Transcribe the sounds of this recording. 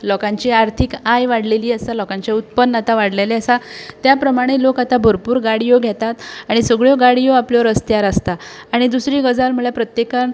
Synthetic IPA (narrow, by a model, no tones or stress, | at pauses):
lɔkãɲt͡ɕiaɾt̪ʰikajʋaɽleliːəsalɔkãɲt͡ɕeut̪̚pənːat̪aʋaɽleleəsat̪japɾəmaɽ̃elokat̪abʱəɾpuːɾɡaɽijoɡʱɛt̪at̪aɽ̃isəɡɭjoɡaɽijoapljɔɾəst̪jaɾəst̪aːɽ̃id̪usɾiːɡəd͡zalm̤uɭjapɾət̪jekan